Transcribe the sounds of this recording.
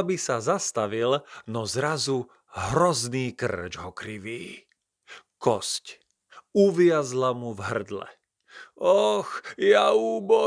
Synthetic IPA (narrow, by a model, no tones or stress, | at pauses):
bisazast̪aʋilnɔzɾazu | ɦɾɔzniːkr̩d͡ʒɦɔkɾiʋiː | kɔsc | uʋɪazlamuvɦr̩d̪lɛ̰ | ɔxjauːbɔ